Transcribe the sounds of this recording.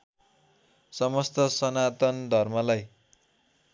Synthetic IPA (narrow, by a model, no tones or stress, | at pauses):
sʌmʌst̪ʌsʌnat̪ʌnd̪ʱʌrmʌlaj